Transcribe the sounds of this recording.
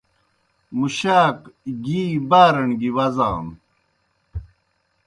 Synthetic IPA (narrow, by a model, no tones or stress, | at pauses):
muɕaːkɡiːbaːɾɐɳɡiwɐza̰ːm